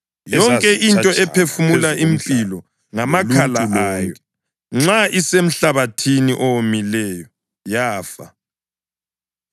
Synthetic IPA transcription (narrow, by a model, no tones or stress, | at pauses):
jɔŋkʼɛʔintʼɔɛpʰefumulaʔimpʼilɔ | ŋamakʰalaaŋjɔɛ | ŋ͡ǁaʔisem̩ɬaβatʰiniʔɔwomilɛːjɔ | jaːfa